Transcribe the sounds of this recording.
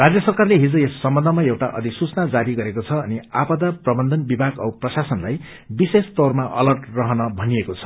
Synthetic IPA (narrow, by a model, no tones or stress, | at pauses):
rad͡zjʌsʌrkarleɦid͡zʌesːʌmbʌnd̪ʱʌmaewʈa̰ʔʌ̰d̪isut͡snad͡zaɾiɡʌɾekot͡sʰʌːniapʌd̪aprʌbʌnd̪ʱʌnbibʱaɡʌwprʌsasʌnlaj | bisest̪ormaʔʌ̰lʌrʈrʌɦʌnʌbʱʌnijekot͡sʰʌ̥